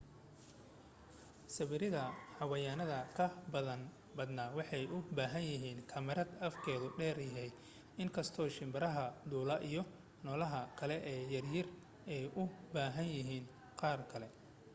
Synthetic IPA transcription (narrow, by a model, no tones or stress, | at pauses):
sɐβɪɾɪðɐhɐwɐjaːnɐðɐkʰɐbɐðɐn | bɐd̪naːwɑħɑjʊbaːɦɐnjɪɦiːnkʰɐmɛɾɐd̪ɐfkʰɛːðʊɖɛːrjɪɦɛj | ɪŋkʰɐst̪ʰɔːʃɪmbɐɾɐɦɐd̪uːlɐʔijɔ | nɔːlɐɦɐkʰɐlɛʔɛːjɐrjɪr | ɛjʔʊbaːɦɐnjɪɦiːn | qɑːrkʰɐlɛ